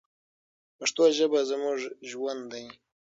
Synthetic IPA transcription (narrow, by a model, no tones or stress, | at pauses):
paʂt̪oʒəbazamʊʐʒwand̪aj